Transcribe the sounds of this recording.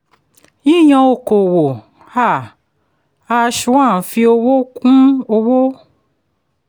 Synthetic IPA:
ĩ˦˨j̃ã˧o˨ko˨wo˨ | a˦˨ | a˧ʃu˨˦a˦˨fi˧o˧wo˦kũ˦o˧wo˦

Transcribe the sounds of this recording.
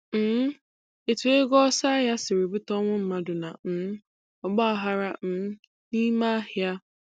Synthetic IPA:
m̩˨˦ | e˨tu˨e˦ɡɔ˦sa˦ja˦sɪ˨ɾi˨bu˦tɔ˦ŋʷʊ˦m̩˦ma˦dʊ˨na˨n̩˨m˦ | ɔ˨ɡ͡ba˦a˨ɦa˦ɾa˦n̩˨˦ | ni˦ma˦hɪ˨a˦

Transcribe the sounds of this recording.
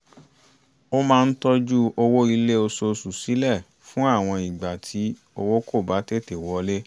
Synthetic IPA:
o˦mãː˧n̩˦tɔ˦d͡ʒu˦o˧wo˦i˧le˦o˧so˧su˨si˨˦lɛ˦˨ | fũ˦a˦˨w̃ɔ̃˧i˨ɡ͡ba˨tʰi˨˦ | o˧wo˦ko˦˨ba˨˦te˦˨te˨wɔ˨˧˦le˦

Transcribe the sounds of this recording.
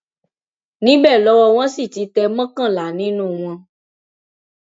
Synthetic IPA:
nĩ˦bɛː˦˨lɔ˦wɔ˧w̃ɔ̃˦si˦˨ti˨˦tɛ˧mɔ̃˦kã˦˨la˨nĩ˨˦nũ˦˨w̃ɔ̃˧

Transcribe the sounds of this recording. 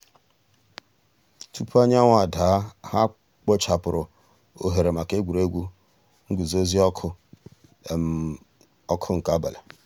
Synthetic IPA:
tu˦pʰu˦a˦ɲ˦a˦ŋʷa˨daː˨˦ha˦ | k͡pɔ˦t͡ʃa˨pʊ˨ɾʊ˨ | o˨ɦe˨ɾe˨ma˨ke˦ɡʷu˨ɾe˦ɡʷu˦ | ŋ̩˦ɡu˨zo˦zi˦ɔ˦k | ɔ˦kʰʊ˦ŋ̩˨ka˦ba˨la˨

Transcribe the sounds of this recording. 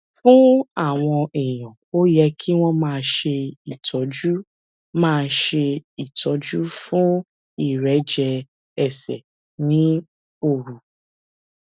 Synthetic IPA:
fũ˦a˦˨w̃ɔ̃˧e˨j̃ɔ̃˨ | o˦jɛ˧kʰi˦w̃ɔ̃˦mãː˦˧ʃe˧i˨tʰɔ˨˦d͡ʒu˦ | mãː˦˧ʃe˧i˨tʰɔ˨˦d͡ʒu˦fũ˦ | i˨ɾɛ˨˦d͡ʒɛ˧ | ɛ˨sɛ̰˨ | nĩ˨˦ | o˨ɾu˨

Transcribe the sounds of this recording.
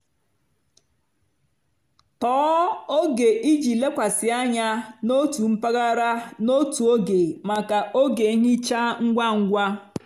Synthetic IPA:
tɔː˦o˦ɡe˨ʔi˦d͡ʒi˨le˦kʷa˨sɪ˨a˦ɲa˦no˦tu˨m̩˦pa˦ɣa˦ɾa˦no˦tu˨o˦ɡe˨ma˨ka˨ʔo˦ɡe˨i˦ɦɪ˦t͡ʃa˦ŋ̩˦ɡʷa˦ŋ̩˦ɡʷa˦

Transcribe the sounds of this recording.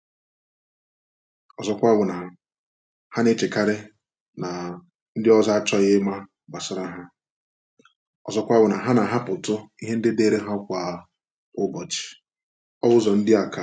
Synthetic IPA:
ɔ˨zɔ˨kʷa˦ɡʷʊ˨na˨ | ha˦ne˦t͡ʃe˨ka˦ɾɪ˦ | na˨ | n̩˦dɪ˦ɔ˦za˦a˦t͡ʃɔ˦ɣɪ˦ma˦ | ba˨sɔ˦ɾa˦ɦa˦ | ɔ̰˨zɔ˨kʷa˦ɡʷʊ˨na˨ɦa˦na˨ɦa˦pʊ˨tʊ˦i˦ɦe˦n̩˦dɪ˦de˦˨ɾe˦ɦa˦ʊ˦kʷa˨˦ | ʊ˦bɔ˨t͡ʃɪ̥˨ | ɔ˦wʊ˦zɔ˨n̩˦dɪ˦a˨ka˦

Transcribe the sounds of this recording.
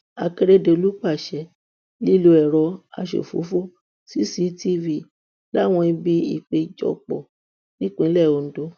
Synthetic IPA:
a˧ke˧ɾe˦de˨˧o˧lu˦k͡pa˦˨ʃɛ˨˧˦ | li˦lu˧ɛ˨ɾɔ˧a̰˧ʃḛ˨fo̰˨˦fo˦ | si˦si˦ti˦vi˦˨ | la˦˨w̃ɔ̃˧i˧bi˦ḭ˦˨k͡pe˧d͡ʒɔ̰˧˨k͡pɔ̰˨ | nĩ˦kũ˦˧i˦lɛ˦˨o˧n̩˦do˦

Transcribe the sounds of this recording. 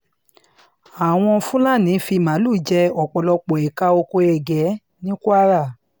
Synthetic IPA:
a˨w̃ɔ̃˧fũ˦la˦˨nĩ˨˦fi˧˨mã˨˦lu˦˨d͡ʒɛ˧ɔ˨k͡pɔ˨lɔ˧k͡po˨ɛ˨ka˧o˧ko˧ɛ˧˨ɡɛ˨˦ | nĩ˦ku˦a˦ɾa˦˨

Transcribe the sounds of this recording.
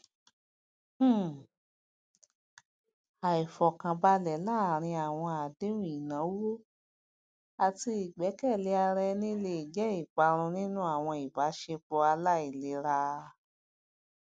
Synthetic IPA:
a˨i˨fɔ˨kã˨ba˧lɛ˨˦laː˦˨ɾ̃ĩ˧a˨w̃ɔ̃˧a˨de˦ɾũ˨i˨nã˨˦wo˦ | a˨ti˧i˨ɡ͡bɛ˨˦kɛ˦˨le˨˧˦a˧ɾɛ˧nĩ˦le˧i˨d͡ʒɛ˨˦i˦˨k͡pa˨˦ɾ̃ũ˧nĩ˦nũ˦a˦˨w̃ɔ̃˧i˨ba˨˦ʃe˧k͡pɔ˧a˧la˦i˨le˨˦ɾa˧

